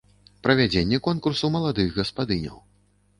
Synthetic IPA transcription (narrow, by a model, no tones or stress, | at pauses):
pɾɐvʲad͡zʲenʲːɛkɔnkursumɐlˠad̪ɨɣɣɐspad̪ɨnʲɐ̰w